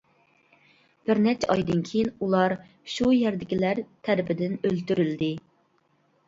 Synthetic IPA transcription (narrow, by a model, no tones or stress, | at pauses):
b̥ɪɾnɛt͡ʃʰɑjd̪ɨnkʲʰejinulˠɑɾ | ʃujɛɾd̪ɪkʲilæɾt̪ʰæɾɪpʰɪd̪ɪnølt̪yɾyld̪ɪ